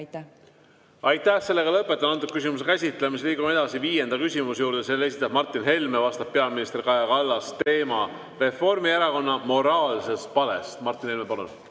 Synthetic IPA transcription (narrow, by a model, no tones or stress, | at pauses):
ɑjt̪ːˑæhse̞lːe̞ɡɑlɤpːˑe̞t̪ːˑɑnɑnt̪ːuk̚kysimus̬ekæsʲit̪ˑle̞misliːɡ̥ume̞d̪ɑsiviːje̞nd̪̥ɑkysʲimusejuːɾd̪̥ese̞lːe̞sit̪ːˑɑbmɑrt̪ːˑinɦe̞lme̞vɑst̪ɑp̚pːe̞ɑminist̪e̞rkɑjɑkɑlːɑst̪e̞ːmɑ | re̞fo̞rmieɾɑko̞nːɑmo̞ɾɑːlse̞st̪pɑle̞̰st̪mɑrt̪ːˑinhe̞lmepɑlṵn